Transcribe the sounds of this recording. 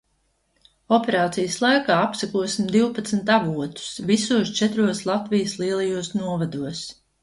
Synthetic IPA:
ɔpeɾaːt̪sijəslˠajkaːapsakuɔsimd̪iwpat̪snt̪avuɔt̪u̥svisuɔst͡ʃɛt̪ɾuɔslˠat̪vijəslˠiɛlˠajuɔsnuɔvad̪uɔs

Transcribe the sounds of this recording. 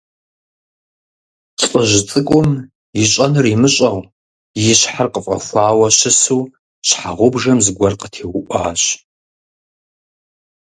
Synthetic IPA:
t͡sʼəʑɪt͡sʼɨkʷʼʊm | jɪɕʼɐnɨrimɨɕʼɐw | jɪɕħarqəfʼɐ̰xʷaːwɐɕɨsuː | ɕħaʁʷʊbʐɐmzɨɡʷɐrqətʰeːwʊʔʷaːɕ

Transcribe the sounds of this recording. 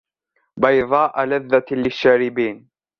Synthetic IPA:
bɑjðˤɑːʔalaðːalɪʃːaːɾɪbiːn

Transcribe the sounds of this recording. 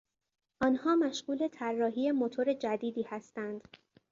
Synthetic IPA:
ʔɒːnhɒːmæʃɢuːle̞t̪ʰærːɒːɦiːje̞mo̞t̪ʰoɾe̞d͡ʒæd̪iːd̪iːhæst̪ænd̪̥

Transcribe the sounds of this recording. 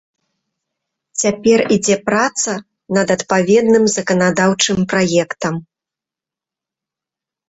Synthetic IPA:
t͡sʲapʲɛrid͡zʲɛpɾat̪sɐ | nɐd̪ɐt̪pavʲɛd̪nɨmzɐkɐnad̪awt͡ʂɨmpɾajɛkt̪ɐm

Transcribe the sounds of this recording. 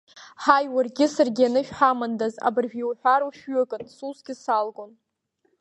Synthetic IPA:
ħajwarɡʲɪsɨrɡʲɪanɨʃᶣħamandaza̰bɨrʒᶣjiwħʷᶣaɾuʃᶣɥʏkʼɨnsuzɡʲɪsalɡʼon

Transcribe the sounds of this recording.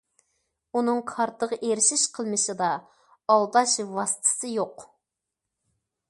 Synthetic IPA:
unɨŋkʰɑɾt̪ʰəʁʔeɾɪʃiʃqʰəlˠmɨʃɨd̪ɑ | ɑlˠd̪ɑʃvɑsɨ̥t̪ʰsɨjoq

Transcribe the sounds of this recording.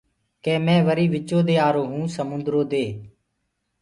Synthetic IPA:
kɛ̃ːmɛ̃ːʋəɾiːʋɪt͡ʃoːd̪eːaːɾoːɦũːsəmʊnd̪ɾoːd̪eː

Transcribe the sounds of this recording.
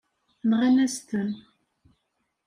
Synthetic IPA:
nʁænæst̪ən

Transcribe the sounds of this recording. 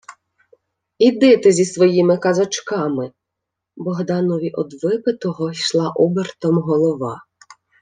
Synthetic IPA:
id̪ɪt̪ɪzʲisʋɔjimɪkɐzɐt͡ʃkɑmɪ | bɔɦd̪ɑnɔʋʲiʔɔd̪ʋɪpɪt̪ɔɦɔʃlˠɑʔɔbert̪ɔmɦɔlˠɔʋɑ

